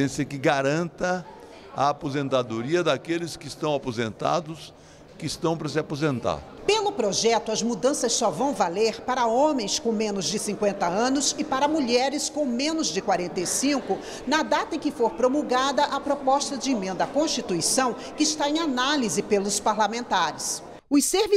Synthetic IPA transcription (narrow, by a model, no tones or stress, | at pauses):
ẽsɐkɪɡaɾɐ̃nt̪ɐ | ɐ̰ːpozẽnt̪ad̪oɾiɐd̪akelɪskɪːst̪ɐ̃w̃apozẽnt̪a̰d̪ʊs | kɪːst̪ɐ̃w̃pɾɐsɪapozẽnt̪a̰ɾ | pelʊpɾoʒɛt̪ʊɐzmud̪ɐ̃sɐssɔvɐ̃w̃valeɾpaɾɐõmẽj̃skõmẽnʊzd͡ʒɪsĩkwẽnt̪ɐɐ̃nʊsɪpaɾɐmuʎɛɾɪskõw̃mẽnʊzd͡ʒɪkwaɾẽnt̪ejsĩŋkʊ | nɐd̪at̪ɐẽkɪfoɾpɾomuɡad̪ɐʔapɾopɔst̪ɐd͡ʒɪemẽnd̪ɐkõst͡ʃit̪uisɐ̃w̃ | kɪːst̪aẽj̃analizɪpelʊspaɾlamẽnt̪aɾɪs | ʊseɾvi